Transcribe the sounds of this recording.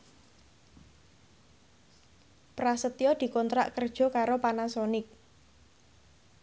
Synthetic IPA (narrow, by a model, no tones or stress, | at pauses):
pɾasət̪iɔd̪̥i̤kɔnt̪ɾa̰ʔkərd̥ʒ̥ɔ̤kaɾopanasɔnɪk̚